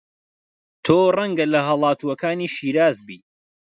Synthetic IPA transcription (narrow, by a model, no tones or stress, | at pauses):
t̪ʰoːrɐŋɡɐlɐɦɐlˠɑːt̪ʰuwɐkaːniːʃiːɾaːzbiː